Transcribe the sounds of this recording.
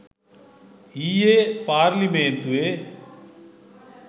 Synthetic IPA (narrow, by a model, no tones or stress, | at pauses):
ijepaːɾliment̪ue